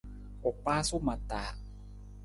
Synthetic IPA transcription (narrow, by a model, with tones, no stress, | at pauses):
ʔo˨˩k̚paː˦˥su˦˥ma˨t̪ːaː˨˩